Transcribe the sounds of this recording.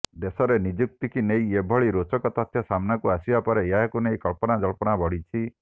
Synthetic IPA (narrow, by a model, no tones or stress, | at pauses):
d̪esɔɾenid͡ʒuk̚t̪ikʰinejebʱɔɭiɾot͡ʃɔkɔt̪ɔt̪ʰjɔsamnakuasibapɔɾejaɦkunejkɔɭpɔnad͡ʒɔɭpɔnabɔɽ̤it͡ʃʰi